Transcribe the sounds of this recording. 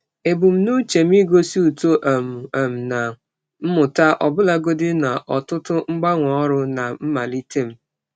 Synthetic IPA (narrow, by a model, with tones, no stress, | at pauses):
e˨bu˨m̩˦nu˦t͡ʃe˨m̩˦i˦ɡo˦si˦u˨to˦ʔa˨m̩˨a˨m̩˨na˨ | m̩˦mʊ˨ta˦ʔɔ˨bʊ˦la˦ɡo˦dɪ˦na˨ʔɔ˨tʊ˦tʊ˦ŋ͡m̩˦ɡ͡ba˦ŋʷɔ˨ɔ˦ɾʊ˦na˨m̩˦ma˨li˦te˦m̩˦